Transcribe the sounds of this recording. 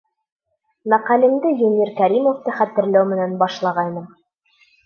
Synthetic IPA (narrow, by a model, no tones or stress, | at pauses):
mæqɑlɘ̆md̪ɘjɵnʲiɾkæɾʲimoft̪ɤχæt̪ɘ̆ɾlæwmɘ̆nænbɑʃlˠɑʁɑjnɤm